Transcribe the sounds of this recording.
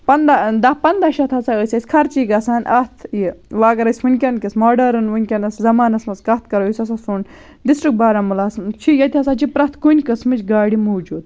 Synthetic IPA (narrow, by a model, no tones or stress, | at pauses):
pɐnd̪ad̪apɐnd̪aʃɐt̪ʰɐsaəsʲɐsʲkʰɐɾt͡ʃiːɡɐsaːnʔɐt̪ʰjiʋaːɡɐɾɐsʲʋɨnʲkʲɐnkismoːɖɐɾɨnʋɨnʲkʲɐnɐszɐmaːnɐsmɐskɐht̪ʰkɐɾoisʲɐs̬ɐsun | ɖisʈɾik̚baːɾɐmulaːst͡ʃʰijɐt̪ʲɐs̬aːt͡ʃʰipɾɐt̪ʰkunʲkɨsmɨt͡ʃɡaːɽimoːd͡ʒuːd̪̚